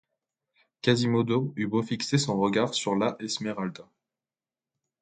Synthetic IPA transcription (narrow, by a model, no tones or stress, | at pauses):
kazimod̪oybofiksesɔ̃ʁəɡaʁsyʁlaʔɛsmɛʁald̪a